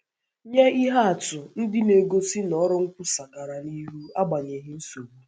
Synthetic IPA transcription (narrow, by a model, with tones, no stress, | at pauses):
ɲe˦i˦ɦa˦a˨tʊ˨n̩˦dɪ˦ne˨ɡo˦si˦nɔ˦ɾʊ˦ŋ̩˦kʷʊ˦sa˨ɡa˨ɾa˨ni˦ɦu˦a˦ɡ͡ba˨ɲe˨ɦɪ˦n̩˦so˨ɡ͡bu˦